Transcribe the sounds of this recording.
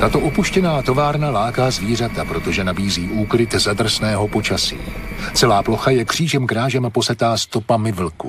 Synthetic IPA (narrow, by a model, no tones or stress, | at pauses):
t̪at̪o̞ʔopuʃcɛnaːt̪o̞vaːɾnalaːkaːzviːr̝at̪apɾo̞t̪o̞ʒɛnabiːziːʔuːkɾɪt̪zad̪r̩snɛːɦo̞po̞t͡ʃasḭː | t͡sɛlaːplo̞xajɛkr̝̥iːʒɛmkɾaːʒɛmpo̞sɛt̪aːst̪o̞pamɪvl̩kṵ